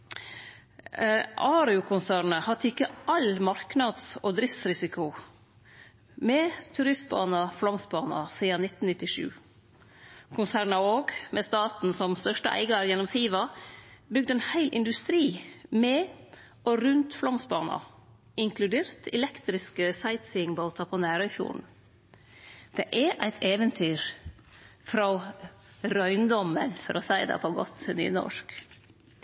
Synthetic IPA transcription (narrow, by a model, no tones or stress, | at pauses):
ʔɑːɾɪʊkʰʊnsæːɾnəhɑt̪ʰːəɪkːəʔɑlmɑɾknɑd̪soːd̪ɾɪft̪sɾɪsɪkʰʊ | mɛt̪ʰʉɾɪst̪̚bɑ̰ːnɑflɔmsbɑːnɑ̰siːɑnɪt̪n̩nɪt̪ːɪʂʉ̰ː | kʰʊnsæːɾɳɑoːɡmɛst̪ɑːt̪n̩sɔmst̪œʂʈəʔæ̰ɪɡɑæɾjɛnɔmsiːʋɑbʏɡ̚d̪əɛːnhæɪlʔɪ̰nd̪ʉst̪ɾiːmeː | ʔoɾʉnt̪flɔmsbɑːnɑ̰ | ɪŋkʰlʉd̪eːɾt̪ʰɛlɛkt̪ɾɪskəsæɪt̪sɪŋbɑlt̪ʰɑpʰɔːnæːɾœfjṵːɳ̩ | d̪̥ɛ̰ʔɛɾʔæɪt̪ʰeːʋənt̪ʰyːɾ | fɾɑ | ɾœʏnd̪ɔmənfɔɾʔɔsæɪd̪ɛ̰pʰɔɡɔ̰t̪ny̰ːnɔ̰ʃk